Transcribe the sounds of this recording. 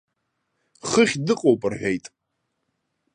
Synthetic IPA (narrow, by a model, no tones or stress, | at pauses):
χəχʲdɨqʼowpʼɨrħʷᶣejtʼ